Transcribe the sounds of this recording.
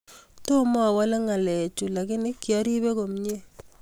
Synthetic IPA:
to˦ma˨wa˦la˦ŋa˨lɛ˨t͡ʃu˨la˨kɪ˦nɪ˦kːja˦ɾi˦be˦ko˨mɲe˦

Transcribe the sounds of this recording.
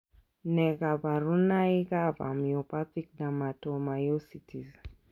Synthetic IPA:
nɛ˨ɡa˨ba˨ɾu˦na˦i˦ɡava̰˨miɔ˨pa˦ti˦k̚dama˨tɔma˨jɔsitʰi˨z

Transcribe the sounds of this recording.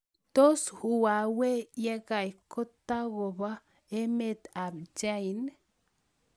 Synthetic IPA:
t̪o˦shu˨a˨we˦je˦ɡa˨jko˦t̪a˦ɡo˨ba˦ | e˦me˨t̪a˨bd͡ʒa˦jn

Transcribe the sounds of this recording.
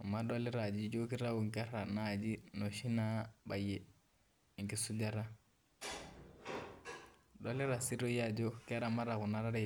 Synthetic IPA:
ma˦ɗɔ˦li˦ɾa˨d͡ʒi˦d͡ʒo˦ki˦ɾa˦u˨ŋka˦ɾa˨na˦˨d͡ʒi˦nɔ˨ʃi˦na˦ba˨jɛ˨ | ŋ˨ki˦su˦d͡ʒa˦ɾa˦ | ɗɔ˦li˦ɾa˨si˦ɾo˦ja˦d͡ʒo˦kɪ˦a˦ɾa˨ma˦ɾa˨ku˨na˦ɾa˦ɾɛ˦

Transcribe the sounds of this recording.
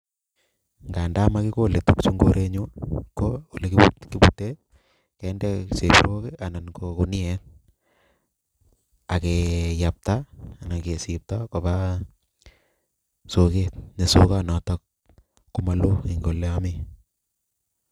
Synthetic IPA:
ŋɡa˨nda˦ma˦ki˦ko˦le˨tu˦kt͡ʃu˦ŋɡoɾʔe˦ɲu˦koo˨le˨kikibute˦t̚ | kɛndɛse˨pḭɾo˦kea˨na˨nko˨ku˨ni˦ɛ˦t | a˨ke˨ja˨p̚ta˨na˨ke˨sip̚tɔko˨ba˦ | so˦ke˦t̚ne˨so˦kanɔ˨tɔk̚ː | uma˦lo˦i˨ŋɡo˨lːeami˦

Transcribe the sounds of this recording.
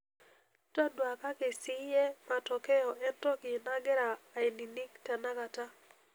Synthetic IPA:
tɔ˦dwa˨ka˦kɪ˨sɪ˦jɛ˦ma˨tɔ˨kɛ˦jɔ˨ɛ˦tɔ˦kɪ˨na˦ɡɛ˦ɾaː˨e˨ni˨ni˦kta˨na˦ka˨ta˦

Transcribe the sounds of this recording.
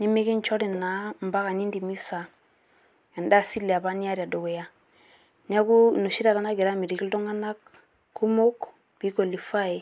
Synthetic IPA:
ni˦mi˦ki˦n˦t͡ʃɔ˦ɾi˨na˨˦m˨ba˦ka˨ni˦ndi˨mi˦sa˨ | ɛ˨nda˦˨si˦lɛ˨a˨ba˦ni˦a˦ɾa˨do˨ɡe˨ja˦ | ni˦a˦ku˦nu˨ʃi˦ɾa˨ɾa˨˦na˦ɡi˨ɾa˦mi˨ɾi˨ki˦ldo˦ŋa˦na˦k | kːu˦mo˦k | bi˦ko˨li˨fa˦i˨

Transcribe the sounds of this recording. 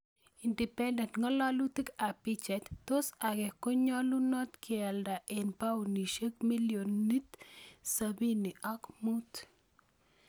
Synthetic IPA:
i˨ndi˨pɛ˦nde˨nt̪ŋa˦la˦lu˦t̪i˦ka˨pit͡ʃɛ˨t̪ːo˦sa˨ɡe˨ko˦ɲɔ˦lu˦nɔ˦t̪kʰea˨lda˨ʔe˨npa˦wni˨ʃə˦k̚mi˦ljoni˦t̪sabi˦ni˨ʔa˦kmu˦t̪

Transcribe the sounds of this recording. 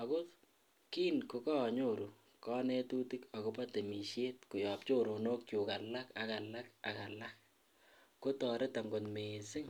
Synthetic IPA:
a˨ko˦t | ki˦nko˨kɔ˦˨ɲo˦ɾu˨ | kɔ˦nɛ˦tu˦ti˦ka˨ko˦pa˦te˨mi˨ʃjeː˦t̚kʊ˨jɔ˨p̚t͡ʃo˦ɾo˨no˦k̚t͡ʃu˨ka˨la˦ka˨ka˨la˦ka˨ka˨lak̚ː | o˦tɔ˨ɾe˦ta˨ŋɡo˨nmesɪ˦ŋ

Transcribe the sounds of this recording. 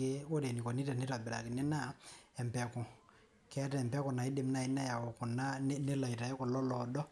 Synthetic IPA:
e˦o˦ɾe˨ni˨kɔ˨ni˦ta˨nɪ˦ta˨bɪ˨ɾa˨kɪ˨nɛ˦na˦ɛ˨mpɛ˨kʊ˨ | kɛ˦tɛ˨mpɛ˦kʊ˨na˨ɪ˦de˨m˦na˨ɪ˦na˦ja˨wɔ˨kʊ˨na˦ne˦la˨i˨ta˨ɛ˦kɔ˨lɔ˦lɔ˨dɔ˦

